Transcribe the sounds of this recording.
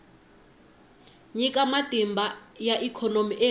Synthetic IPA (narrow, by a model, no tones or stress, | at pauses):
ɲikʼamatʼimbʱajaʔikʰɔnomiʔe